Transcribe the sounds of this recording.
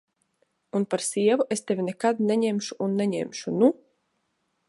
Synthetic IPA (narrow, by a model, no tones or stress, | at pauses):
unpaɾsʲiɛvuʔest̪evʲinɛkad̪̚nʲɛɲɛmʃuʔunːɛɲɛ̰mʲʃunu